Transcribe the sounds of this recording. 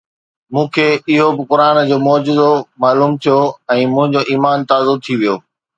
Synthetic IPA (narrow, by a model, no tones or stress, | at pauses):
mũːkʰeːɪɦobɪkʊɾaːnd͡ʑoːmɔːd͡ʑʊzomaːluːmt̪ʰijoɛ̃ːmʊ̃ɦɪ̃ɲd͡ʑoʔiːmaːnt̪aːzʊt̪ʰiʋijoː